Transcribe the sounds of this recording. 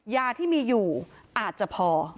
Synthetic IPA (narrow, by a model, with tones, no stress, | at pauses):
jaː˧t̪ʰiː˥˩miː˧juː˨˩ʔaː˨˩t̪̚t͡ɕa˨˩pʰɔː˧